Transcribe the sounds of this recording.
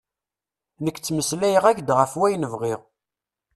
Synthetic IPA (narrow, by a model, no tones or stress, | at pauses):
nəkʷːt͡sːməslæjəʁæçd̪ʁəfwæjnəvʁiʁ